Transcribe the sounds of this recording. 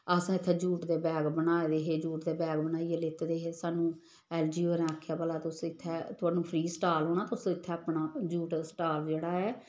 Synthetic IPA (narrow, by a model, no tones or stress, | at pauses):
əsãːɪt̪ʰːɛːd͡ʒuːʈd̪eːbɛːɡbənaːed̪eːɦeːd͡ʒuːʈd̪eːbɛːɡbənaːijeːlɪt̪ːd̪eːɦeːsaːnũː | ɛːld͡ʒiːoːɾɛ̃aːkʰjaːpəlaːt̪eʊsɪt̪ʰːɛːt̪ʊaːnũːpʰɾiːsʈaːlɦoːɳaːt̪ʊsõɪt̪ʰːɛːapɳaːd͡ʒuːʈsʈaːld͡ʒeːɽaːɛː